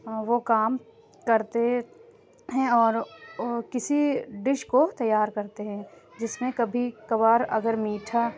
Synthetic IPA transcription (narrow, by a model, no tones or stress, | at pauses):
ʋokaːm | kɐɾt̪e | ɦɛ̃ɔːɾkɪsiɖɪʃkot̪ɐjːaːɾkɐɾt̪eɦɛ̃ | d͡ʒɪsmẽkɐbʱikɐbaːɾɐ̰ɡəɾmiːʈʰa